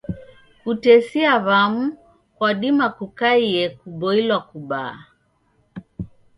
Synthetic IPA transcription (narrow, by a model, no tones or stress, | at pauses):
kutɛsiaβamu | kwaɗimakukaijɛkuɓɔilwakuɓaː